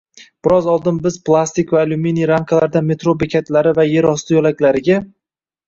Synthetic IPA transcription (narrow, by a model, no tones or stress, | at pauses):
b̥ɪɾɒzɒlˠd̪ɪnbɪz̥plˠast̪ɪkʲvaluminiɾaŋkʰalaɾd̪ame̞t̪ɾobekʲʰat̪laɾɪvaje̞ɾɒst̪ʰɪjɒlakʲlaɾɪɡʲa